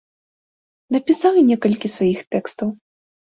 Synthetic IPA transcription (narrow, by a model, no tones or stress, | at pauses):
nɐpʲisawinʲɛkɐlʲkʲisvajixt̪ɛkst̪ɐw